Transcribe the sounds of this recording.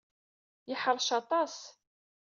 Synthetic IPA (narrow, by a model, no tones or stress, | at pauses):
jəħəɾˤʃɑt̪ˤɑs